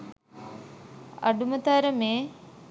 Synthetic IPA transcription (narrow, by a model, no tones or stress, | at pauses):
ɐ̰ɖumət̪aːɾəmeː